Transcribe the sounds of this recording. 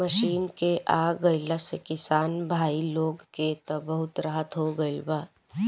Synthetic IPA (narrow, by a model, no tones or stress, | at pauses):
məʃiːnkeʔaːɡəɪlasekɪsaːnbʱaːiloːɡket̪ɐbəɦʊt̪ɾəɦət̪ɦoɡəɪlbaː